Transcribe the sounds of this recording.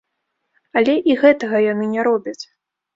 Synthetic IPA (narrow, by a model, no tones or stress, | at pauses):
alʲɛʔiɣɛt̪ɐɣɐjanɨnʲɛɾɔbʲɐt͡sʲ